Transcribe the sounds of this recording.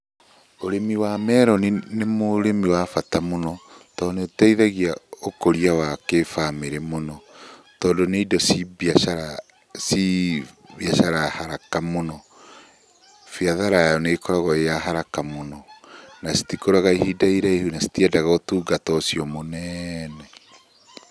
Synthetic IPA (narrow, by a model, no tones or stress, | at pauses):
oɾemiwamɛɾɔninemoɾemiwafatamonɔtɔːneotɛiðaɣiaokoɾiawakefameɾemonɔ | tɔːndoneidɔsiβiaaɾa | si | βjaʃaɾahaɾakamonɔ | fiaðaɾajɔnekɔɾaɣɔejaɦaɾakamonɔnasi̥tikoɾaɣaihidaiɾaehunasi̥tiɛdaɣaotuːɡatɔsiɔmonɛnɛ